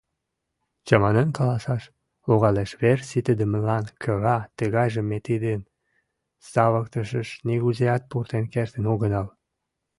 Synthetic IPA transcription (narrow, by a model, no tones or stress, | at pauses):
t͡ɕɑmɑnenkɑlɑsɑʃ | oɣɑleʃβersit̪əd̪əmə̆lɑnkʰə̆ɣɑt̪əɣɑjʒə̆mːet̪id̪en | sɑβə̆k̚t̪əʃəʃniɣuzeɑt̪̚purt̪enkert̪ənoɣə̆nɑl